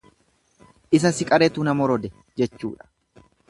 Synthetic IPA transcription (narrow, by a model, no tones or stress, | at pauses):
ʔɪs̬ɐsɪkʼɐɾet̪uːnɐmɔɾɔd̪ɛ | d͡ʒɛt͡ʃːṵːᶑɐ̥